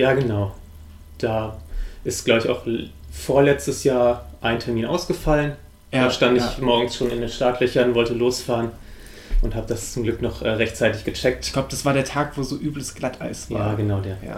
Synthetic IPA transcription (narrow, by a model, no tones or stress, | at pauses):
jaːɡənaʊ | d̥aːʔɪstɡ̥laʊbɪça̰ʊχ | foːɐlɛt͡stəsjaːɐʔaɪntʰɛɐmiːnʔa̰ʊsɡ̥əfalən | aːʃtandɪɪçmɔɐɡŋ̩sʃoːnɪndeːnʃtaːtʰlœçɐnvɔltəloːsfaːʁən | ʔʊnthaːbədast͡sʊmɡlʏknɔχʔɛːʁɛçtt͡saɪtɪçɡ̥ət͡ʃɛk̚tç̥ɡ̥laʊbə̥asv̥aːɐɾeːɐtʰaːkv̥oːzoːʔyːbləsɡ̥lata̰ɪsvjaːaːɡənaʊdeɐ̰